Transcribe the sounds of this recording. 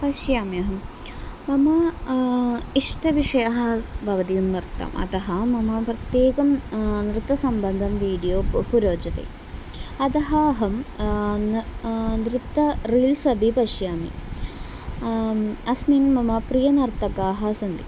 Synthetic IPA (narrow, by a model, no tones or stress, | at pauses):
pɐʃjaːmijɐɦɐm | mɐmɐ | iʂʈɐʋiʂɐjaɦɐbʱɐʋɐt̪ijunnɾt̪ːɐ̰mɐ̰t̪ɐɦɐmɐmɐpɾɐt̪jeːkɐmnɾɨt̪ːɐsɐmbɐnd̪ʱɐmʋiːɽijoːbɐhuɾoːd͡ʒɐt̪ḛː | ɐt̪ɐɦɐɦɐmnnɾɪt̪ːɐɾiːlsɐbʱipɐʃjaːmḭ | ɐsmiːnmɐmɐpɾijɐnɐɾt̪ɐkaːɦɐsɐnd̪ḭ